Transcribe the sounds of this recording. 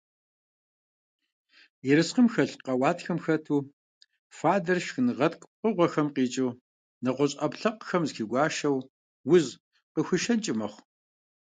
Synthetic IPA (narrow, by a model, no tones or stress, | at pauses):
jɛɾɨsqəmxɐɬqɐwɑːtxɐmxɐtʰuː | faːdɐrʃxɨnɨʁɐtkʷʼqəʁʷɔxɐmqiːt͡ʃʼuw | nɨqʷɔɕʼɐpɬɐqxɐmzxiːɡʷɑːʃɐw | wʊz | qəxʷɨʃɐnt͡ʃʼɪmɐχʷ